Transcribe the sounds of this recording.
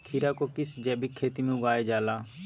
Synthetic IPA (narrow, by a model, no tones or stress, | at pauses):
kʰiɾaːkokɪsd͡ʒɛːbʱikʰːeːt̪imẽʊɡaːeːd͡ʒaːlaː